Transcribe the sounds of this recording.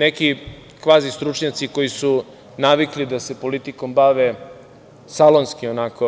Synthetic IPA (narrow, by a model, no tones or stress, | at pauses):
neki | kʋaːzist̪ɾut͡ʃɲat̪siko̞jisu | naʋiklid̪ase̞po̞lit̪iko̞mbaʋe | salˠo̞nskionako